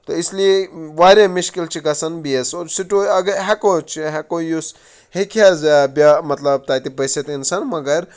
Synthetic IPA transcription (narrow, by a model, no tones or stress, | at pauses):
t̪oislieʋaːɾʲamiʃkilt͡ʃʰikɐsɐnbiesoɾsiʈoɐɡɐɦɐkot͡ʃʰiɦɛkojus | hekʰijazabʲamɐt̪lɐb̚t̪aːt̪ipɐset̪insɐnmɐɡɐɾ